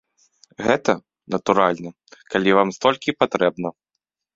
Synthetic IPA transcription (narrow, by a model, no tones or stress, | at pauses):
ɣɛt̪ɐ | nɐt̪uɾalʲnɐ | kalʲivamst̪ɔlʲkʲipat̪ɾɛbnɐ